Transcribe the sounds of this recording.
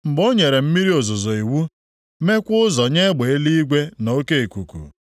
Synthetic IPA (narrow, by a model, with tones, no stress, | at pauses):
m̩˨ɡ͡bo˦ɲe˨ɾe˨m̩˦mi˦ɾi˦o˨zʊ˨zɔ˨i˨wu˦ | me˦kʷʊ˦zɔ˨ɲe˦ɡ͡be˨e˦li˦i˦ɡʷe˦no˨˦ke˦e˨ku˨kṵ˨